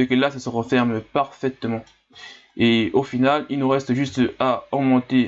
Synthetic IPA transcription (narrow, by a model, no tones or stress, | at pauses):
ekəlasasəʁəfɛʁmpaʁfɛt̪mɑ̃ | eofinalilnuʁɛst̪ʒyst̪aɔɡmɑ̃t̪e